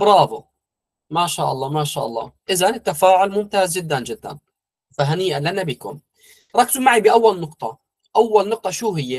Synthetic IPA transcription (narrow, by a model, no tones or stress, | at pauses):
ʔbɾˤɑːðo | maʃaːʔɑlˤːɑːmaʃa̰ːʔɑ̰lˤːɑ̰ːʔɪzanɪt̪ːafaːʕʊlmʊmt̪aːzd͡ʒɪd̪ːand͡ʒɪd̪ːa̰n | faɦaniːʔalːanabɪkʊ̰m | ɾˤɑkːzumaʕibɪʔawːalnʊqt̪ˤɑ | ʔawːalnʊq̚t̪ˤɑʃuːɦɪjːe